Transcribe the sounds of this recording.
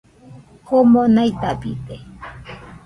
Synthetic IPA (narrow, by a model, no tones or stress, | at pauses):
homonajt̪apḭt̪e